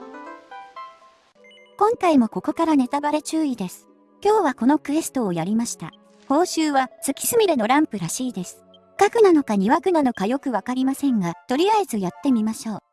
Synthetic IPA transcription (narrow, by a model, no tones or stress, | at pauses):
kõ̞ŋkaimo̞ko̞ko̞kaɾane̞t̪abaɾe̞t͡ɕɨːid̪e̞sɨ̥ | kʲo̞ːβako̞no̞kɯ̟e̞sɨ̥t̪o̞ːjaɾʲimaɕi̥t̪a̰ | ho̞ːɕɨːβasɨkʲi̥sɨmʲiɾeno̞ɾãmpɯ̟ɾaɕiːd̪e̞sɨ̥ | kakɯ̟nano̞kaɲ̟iβakɯ̟nano̞kajo̞kɯ̟βakaɾʲimasẽ̞ŋɡat̪o̞ɾʲijaizɨjat̪ːe̞mʲimaɕo̞ː